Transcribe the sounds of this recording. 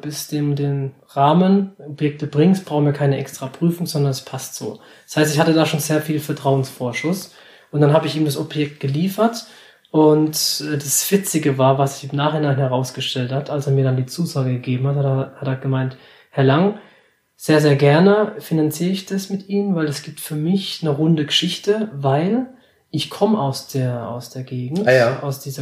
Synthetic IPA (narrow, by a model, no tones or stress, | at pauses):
b̥ɪsd̥eːmdeːn | ʁaːmənɔpjɛk̚təbʁɪŋsb̥ʁaʊxənviɐkʰaɪnəʔɛkstʁ̥apʁ̥yːfʊŋzɔndɐnɛspʰastz̥o̰ː | d̥shaɪstɪçhatədaːʃoːnzeːɐfiːlfɛɐtʁ̥aʊənsfoːɐʃʊs | ʔʊnt̚d̥anɦaːbəɪçʔiːbmdasɔbjɛk̚t̚ɡ̥əliːfɐt | ʔʊntʔɛːdasv̥ɪt͡sɪɡəvaːɐvasɪçɪmnaːχɪnaːnhɛʁ̞aʊsɡ̥əʃtɛlthatʰʔalseːɐmiːɐɾandiːt͡suːzaːɡəɡəɡeːbm̩hathahatɛːɐɡ̥əmaɪnt | hɛɐlaŋ | z̥eːɐzeːɐɡɛɐnəfinant͡siːʁəɪçd̥asmɪtʔiːənvaɪlɛsɡ̥iːp̚tfyːɐmɪçnəʁʊndəɡəʃɪçtəvaɪl | ʔɪçkʰɔməaʊsd̥eːɐa̰ʊsd̥eːɐɡeːɡŋ̩tːʔaʊsd̥iːzɐ